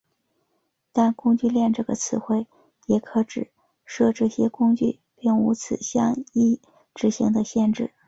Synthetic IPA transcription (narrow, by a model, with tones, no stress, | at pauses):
t̪a˥˧nkʊ˥ŋt͡ɕy˥˧ljɛ˥˧nʈ͡ʂɤ˥˩ɡə̰˩t͡sʰɹ̩˧˥xwe˥˩ɪ | jɛ˨˩kʰɤ˧˥ʈ͡ʂɻ̩˨˩ | ʂɤ˥˧ʈ͡ʂɤ˥˩ɕjɛ˥kʊ˥ŋt͡ɕy˥˧ | pi˥˩ŋṵ˧˥t͡sʰɹ̩˨˩ɕjɑ˥˧ŋi˥˩ | ʈ͡ʂɻ̩˧˥ɕḭ˧˥ŋd̪ə˧ɕjɛ˥˧nʈ͡ʂɻ̩˥˩